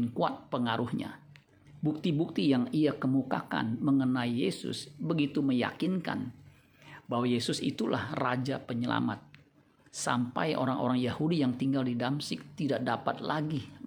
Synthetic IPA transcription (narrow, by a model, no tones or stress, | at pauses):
nkuat̪̚pəŋaɾuhɲa̰ | buk̚t̪ibuk̚t̪ijaŋiakəmukaka̰nməŋənaijesʊ̰sbəɡit̪uməja̰kinka̰n | baɦwajesʊsḭt̪ulʔa̰hrad͡ʒapəɲəla̰ma̰t̪̚ | sa̰mpa̰jʔo̰ɾaŋʔo̰ɾaŋjahudijaŋt̪iŋɡaldidamsɪk̚t̪idaʔ̚dapat̪̚laɡi